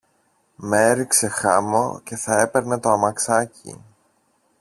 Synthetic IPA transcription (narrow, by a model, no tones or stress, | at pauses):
meeɾikse̞xɐmo̰ce̞θɐe̞pe̞ɾne̞t̪o̞ɐmɐksɐcḭ